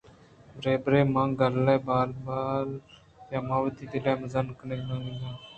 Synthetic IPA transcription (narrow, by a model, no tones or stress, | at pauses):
bɾeːbɾeːmãːɡəlːeːbaːlbaːl | jaːmãːʋət̪iːd̪ilaːməzənkəneːnãːniɡãː